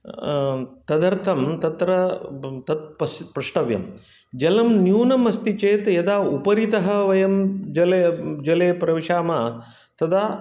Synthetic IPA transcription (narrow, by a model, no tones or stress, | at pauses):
t̪ɐd̪ɐɾt̪ʰɐmt̪ɐt̪ɾɐt̪ɐt̪̚pɐspɾɐʂʈɐʋjɐ̰m | d͡ʒɐlɐmnjuːnɐmɐst̪it͡ʃeːt̪jɐd̪aːupɐɾit̪ɐɦɐ̆ʋɐjɐmd͡ʒɐled͡ʒɐleːpɾɐʋiʂaːmaː | t̪ɐd̪aː